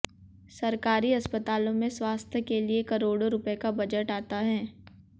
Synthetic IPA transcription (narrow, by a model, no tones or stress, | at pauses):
sɐɾkaːɾiɐspət̪aːlõmẽswaːst̪ʰjəkeliekɐɾoːɽoɾʊpekabɐd͡ʒəʈaːt̪aɦɛː